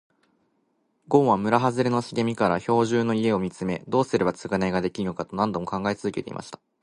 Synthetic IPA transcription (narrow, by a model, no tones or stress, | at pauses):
ɡõ̞ːβamɯ̟ɾaɦazɨɾeno̞ɕiɡemʲikaɾaço̞ːʑɨːno̞ie̞o̞mʲit͡sɨme̞̰d̪o̞ːsɨɾe̞βbat͡sɨɡanaiɡad̪e̞kʲiɾɯnokat̪o̞nãnd̪o̞mo̞kãŋɡaet͡sɨzɨkʲe̞t̪e̞ḭma̰ɕi̥t̪ḁ